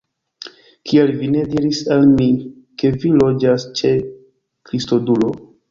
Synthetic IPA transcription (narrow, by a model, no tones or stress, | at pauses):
kʰielvine̞diɾisalmi | ke̞vilo̞d͡ʒast͡ʃe̞ | kɾisto̞dulo̞